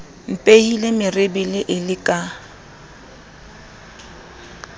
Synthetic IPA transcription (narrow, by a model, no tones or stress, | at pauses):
m̩pʼeilemɪrɪbɪlɪʔɪlɪkʼa